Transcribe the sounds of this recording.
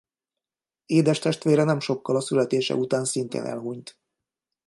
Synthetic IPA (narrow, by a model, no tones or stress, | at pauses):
eːd̪ɛʃt̪ɛʃt̪ʋeːɾɛnɛmʃo̞kːɒlɒsylɛt̪eːʃɛ̰ut̪aːnsint̪ḛːnʔɛ̰lɦuɲt̪